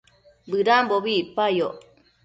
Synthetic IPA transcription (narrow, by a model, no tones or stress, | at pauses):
bɨɾamboβipajoʔ